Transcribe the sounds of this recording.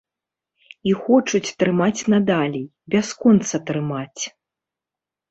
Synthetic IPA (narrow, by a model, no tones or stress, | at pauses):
ixɔt͡ʂut͡sʲt̪ɾɨmat͡sʲnad̪alʲi | bʲaskɔnt̪sɐt̪ɾɨmat͡sʲ